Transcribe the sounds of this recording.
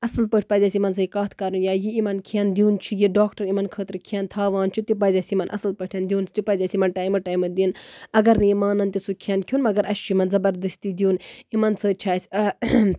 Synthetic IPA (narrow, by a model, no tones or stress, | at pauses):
ɐsɐlpəʈʰʲpɐzʲasimɐns̬ɐikaːt̪ʰkɐɾunjaːjiimɐnkʰijɐnd̪ʲuːnt͡ʃʰijiɖaːkʈɐɾimɐnkʰəːt̪ɾkʰijɐnt̪ʰaːʋaːnt͡ʃʰut̪ip̬ɐzʲɐsimɐnʔɐ̰sɐlpəʈʰʲɐnd̪ʲiuːnt͡ʃʰi̥t̪ipɐːzʲasimɐnʈaːjmɨʈaːjmɨd̪inɐɡɐɾnɨimaːnɐnt̪isukʰijaːnkʲʰjuːnmɐɡɐɾɐst͡ʃʰuimɐnzɐbɐɾd̪ɐsʲt̪id̪ijuːnimɐnsɨːt͡ʃʰaːsʲ